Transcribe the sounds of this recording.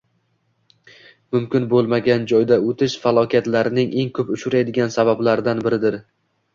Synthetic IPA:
mʊmkʲɪnbolˠmaɡʲand͡ʒɒjd̪aot̪ʰɪʃfalˠɒkʲat̪laɾɪnɪŋʔe̞ŋkʰɵpʊʃʊɾajd̪ɪɡʲansabablaɾɪd̪anbɪɾɪd̪ɪɾ

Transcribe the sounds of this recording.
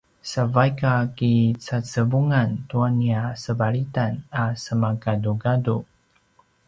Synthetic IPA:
savajkakit͡sat͡səbuŋantuaniasəbaɾitanasəmaɡaduɡadu

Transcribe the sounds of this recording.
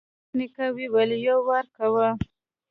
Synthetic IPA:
nikawiwalejawːaɾkawə

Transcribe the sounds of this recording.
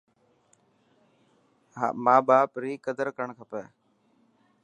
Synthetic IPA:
maːɓaːpɾiːkəd̪əɾkəɳkʰəpɛː

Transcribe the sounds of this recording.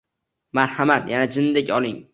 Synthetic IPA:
maɾhamat̪janad͡ʒɪnd̪ekʲɒlˠɪŋ

